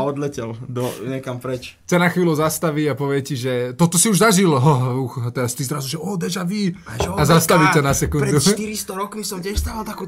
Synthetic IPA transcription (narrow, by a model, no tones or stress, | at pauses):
ɔd̪lɛcɛld̪ɔɲɛkampɾɛt͡ʃkt͡ɕanaxʋiːluzast̪aʋiɟapɔʋɪɛciʒɛt̪ɔt̪ɔsiuʒzaʒilɦɔɦuxat̪ɛɾast̪izɾazuʒɛɔːd̪ɛʒaʋiazast̪aʋitanasɛkunɾɛd̪uʃt̪iɾist̪ɔɾɔkmisɔmcɛʃst̪aːʋalt̪akuː